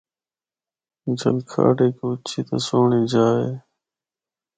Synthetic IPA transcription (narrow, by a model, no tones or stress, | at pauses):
d͡ʒəlkʰa̰ːɖeːkoʊt͡ʃʰiːt̪ə̰soːɳiːd͡ʒaːḛː